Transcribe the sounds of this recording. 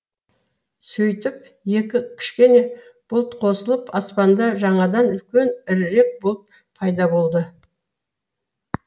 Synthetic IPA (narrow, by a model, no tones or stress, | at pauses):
sɵjt̪ɪp̚ | je̞kʲɪkʲʰɪ̥ʃkʲe̞ne̞b̥ʊlˠt̪qʰo̞səlˠəpɑspɑnd̪ɑʒɑɴɑd̪ɑnʏlkʲe̞nɪɾɾe̞k̚bolˠəp̪̚ | pʰɑjd̪ɑbo̞lˠd̪ə